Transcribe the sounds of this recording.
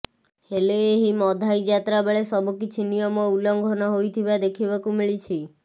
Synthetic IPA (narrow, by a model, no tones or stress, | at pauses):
heleeɦimɔd̪ʱajd͡ʒat̪ɾabeɭesɔbukit͡ʃʰinijɔmɔulɔŋɡʱɔnɔɦojt̪ʰibad̪ekʰibakumiɭit͡ʃʰi